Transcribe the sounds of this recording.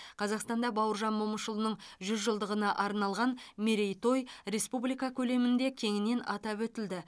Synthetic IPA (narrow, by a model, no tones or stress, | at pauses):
qʰɑzɑqst̪ɑnd̪ɑbɑwəɾʒɑnmoməʃəlˠnəɴʒʏzʒəlˠd̪əʁənɑʔɑɾnɑlˠʁɑnmeɾejt̪o̞jɾe̞spublˠijkɑkʲʰɵle̞mɪnd̪e̞kʲʰe̞ŋɪne̞nɑt̪ɑpwɵt̪ɪld̪ɪ